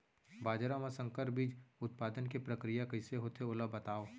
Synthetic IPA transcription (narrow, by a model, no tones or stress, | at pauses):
baːd͡ʒɾamãsə̃ŋkəɾbiːd͡ʒʊt̪̚paːd̪ənkepɾəkɾijakəɪseɦoːt̪ʰeoləbɐt̪aːo